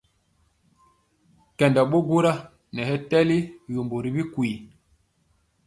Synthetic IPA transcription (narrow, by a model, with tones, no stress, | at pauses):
kɛ˨nda˨ɓo˦ɡu˦ɾa˦ | nɛ˨hɛ˦tɛ˦li˦jo˨mbo˨ɾi˨bi˦ku˨i˨